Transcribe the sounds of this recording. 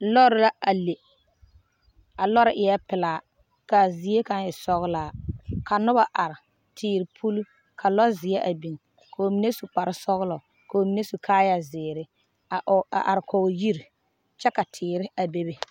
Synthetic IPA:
lɔ˦ɾɪ˦la˦a˨le˨ | a˨lɔ˦ɾɪ˦ʔɪ˨jɛ˦pɪ˨laː˨ | ka˨zi˨˦e˦ka˦nɪ˨sɔ˦ɣla˨ka˨nʊ˦ba˨ʔa˨ɾɪ˨ | tʰɪː˨ɾɪ˨pʰu˦l | kʰa˨lɔ˦zɪ˨ɛ˦ʔa˨bi˨ŋ | kʰo˨mi˨˦ne˦su˨k͡pa˨ɾɪ˦sɔ˦ɣlɔ˨ | ko˨o˨mi˨ne˦su˨kʰaː˦ja˨zɪː˨ɾɪ˦ | a˨a̰˨ʔa̰˨ɾɪ˨kʰɔ˨ji˦ɾ | t͡ʃɛ˦ka˨tʰɪː˨ɾɪ˦a˨be˦be˦

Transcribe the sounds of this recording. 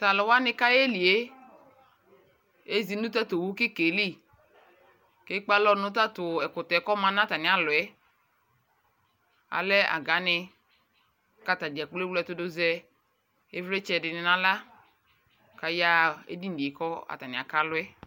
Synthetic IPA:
ta˨lɔ˨wa˦nɪ˦ka˦jɛ˦li˨e˦ | e˦zi˨nʊ̃˦t̬a˦to˨wu˦kɪ˦ke˨li˦ | ke˦k͡pa˦lɔ˦nʊ˦ta˦tʊ˨ɛ˨kʊ˨tɛ˨˦kɔ˦mã˨˦nã˦ta˨nɪ˨a˨lʊ˨ɛ˦ | a̰˨lɛ˦a̰˨ɡa˨˦nɪ˧ | ka˦ta˨di˨ɛ˨k͡ple˦wlɛ˨tʊ˦dʊ˦zɛ˦ | e˦vɾɛ˦t͡ʃɛ˨dɪ˨nɪ˨nã˦la˦ | ka˨ja˦ḛ˦di˦n̩˨di˨e˨kɔ˦a̰˨ta˨nɪ̃˨a̰˨ka˦lʊ˦ɛ˦

